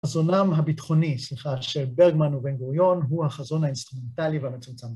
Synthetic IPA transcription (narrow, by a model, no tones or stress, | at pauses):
azo̞namɦabitχo̞nisliχaʃelbeʁɡmanubenɡuʁjo̞nɦuhaχazo̞nhainst̪ʁume̞ntalivehamet͡sumt͡sam